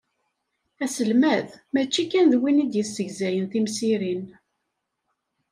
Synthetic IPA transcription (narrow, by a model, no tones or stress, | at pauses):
æsəlmæðmæt͡ʃːikːænðwinid̪jəsːəʝzæjənθimsiɾin